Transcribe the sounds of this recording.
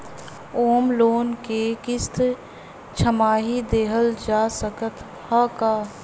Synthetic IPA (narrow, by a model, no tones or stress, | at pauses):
oːmloːnkekɪst̪ | t͡ʃʰəmaːɦid̪eːɦəld͡ʒaːsəkət̪ | haːkaː